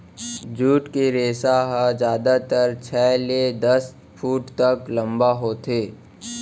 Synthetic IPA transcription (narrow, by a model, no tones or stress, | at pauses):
d͡ʒuːʈkeɾeːsaɦad͡ʒjaːd̪at̪əɾt͡ʃʰɛːled̪ɐs | fʰuːʈt̪ɐklɐ̃mbaɦot̪ʰeː